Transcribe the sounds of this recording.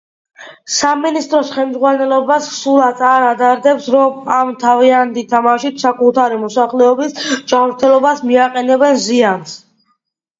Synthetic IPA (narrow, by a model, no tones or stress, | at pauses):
saminist̪ʼɾɔsχɛlmd̪zʁwanɛlɔbassulˠat̪ʰaɾad̪aɾd̪ɛpsɾɔmamt̪ʰaviant̪it̪ʰamaʃit̪ʰsakʼut̪ʰaɾimɔsaχlɛɔbisd͡ʒamɾt̪ʰɛlˠɔbasmiaqʼɛnɛbɛnzians